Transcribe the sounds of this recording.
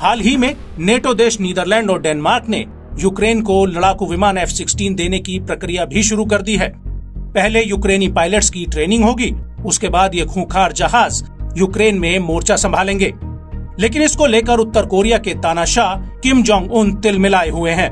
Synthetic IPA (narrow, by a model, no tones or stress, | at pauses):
haːlɦimẽ | neːʈod̪eːʃniːd̪əɾlɛ̃ːɳɖɔːɾɖɛːnmaːɾkne | juːkɾeːnkolɐɽaːkuʋɪmaːnɛːfsɪksʈiːnd̪eːnekipɾɐkɾijabʱiʃʊɾukɐɾd̪iɦɛːpɛɦlejuːkɾeːnipaːɪləʈskiʈɾeːnɪ̃ŋɡɦoːɡiːʊskebaːd̪jekʰũːkʰaːɾd͡ʒɐɦaːzjuːkɾeːnmẽmoːɾt͡ʃasɐ̃mbʱaːlẽːŋɡeː | leːkɪnɪskoleːkəɾʊt̪ːəɾkoːɾijaket̪aːnaːʃaːkɪmd͡ʒɔ̃ːŋɡʊnt̪ɪlmɪlaːeɦʊeɦɛ̃ː